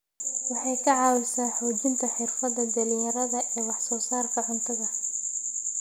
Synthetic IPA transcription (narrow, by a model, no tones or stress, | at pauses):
wɑħɑjkʰɐʕɑːwɪsaːħɔːt͡ʃɪnt̪ʰɐħɪrfɐðɐd̪ɐlɪjɐɾɐðɐʔɛːwɑħsɔːsaːrkʰɐʕʊnt̪ʰɐɣɐ